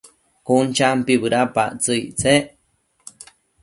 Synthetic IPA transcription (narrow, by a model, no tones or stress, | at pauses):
kunt͡ʃampiβɨɾapa̰ʔt͡sɨjt͡seʔ